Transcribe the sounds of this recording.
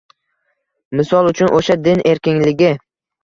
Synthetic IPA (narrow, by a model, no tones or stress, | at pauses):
mɪsɒlˠʊt͡ʃʰʊnʔoʃad̪ɪnʔe̞ɾkʲɪŋlɪɡʲɪ